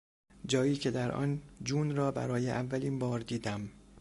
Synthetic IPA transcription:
d͡ʒɒːjiːcʰe̞d̪æɾʔɒ̰ːnd͡ʒuːnɾɒːbæ̰ɾɒːjeʔævːæliːnbɒːɾd̪iːd̪æm

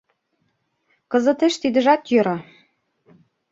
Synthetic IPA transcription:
kɤ̆zɤ̆t̪eʃt̪id̪ə̆ʒɑt̪jøɾɑ

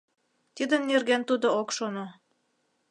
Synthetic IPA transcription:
t̪id̪ə̆nnerɣent̪ud̪ookʃono

